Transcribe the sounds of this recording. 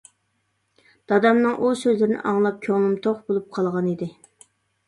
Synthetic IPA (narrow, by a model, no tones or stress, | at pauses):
d̪̥ɑd̪ɑmnɨŋʔusøzlɪɾɪnɪ̰ʔɑŋlˠɑp̚kʲʰøŋlˠɨmt̪ʰoχbolˠup̚qʰɑlˠʁɑnid̪ɪ